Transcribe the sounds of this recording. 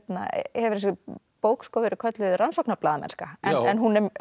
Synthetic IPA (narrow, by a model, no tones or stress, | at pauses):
t̪na̰hɛvɪɾɛs̬ʏ | poːwkskowvɛɾɪkʰœt̪lʏðransɔknaɾplaːðmɛ̰n̥skaɛnɛnɦunɛm